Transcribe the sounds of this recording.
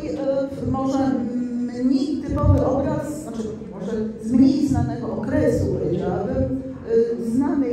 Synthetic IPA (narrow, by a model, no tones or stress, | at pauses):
mɔʐɛ | ɲit̪ɘpɔvɘʔɔbɾasnat͡ʂɘ | mɔʐɛzmɲeiznanɛɡɔʔɔkɾɛsuɾɛd͡ʑabɘ | znam